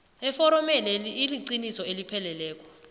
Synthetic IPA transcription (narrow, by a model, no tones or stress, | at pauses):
ɛfɔɾɔmɛlɛliiliǀinisɔelipʰɛlɛlɛːk̬ʼɔ